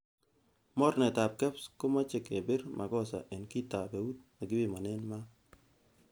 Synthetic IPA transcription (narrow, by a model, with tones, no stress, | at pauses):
mɔ˦rnɛ˨ta˨p̚kɛ˦psko˦ma˦t͡ʃe˨ke˨bɪ˦ɾmʔa˨ɡɔ˦sa̰˨ʔe˨nki˦ta˨be˨wu˦t̪̚ma˨ɡɪ˦bɪ˦˨ma˨nɛ˦nma˦